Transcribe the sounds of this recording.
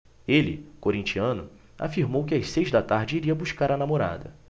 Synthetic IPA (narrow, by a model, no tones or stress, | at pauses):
elɪ̰koɾĩnt͡ʃiɐ̃nʊ | a̰fiɾmowkɪajssejzd̪at̪aɾd͡ʒɪiɾiɐbuʃskaɾɐnamoɾa̰d̪ɐ